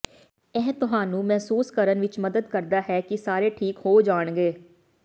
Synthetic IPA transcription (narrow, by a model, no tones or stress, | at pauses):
ɛːt̪ʊɦaːnũːmɛːsuːskəɾənʋɪt͡ʃməd̪əd̪kəɾd̪aːɦɛːkɪsaːɾeːʈʰiːkhoːd͡ʒaːɳɡeː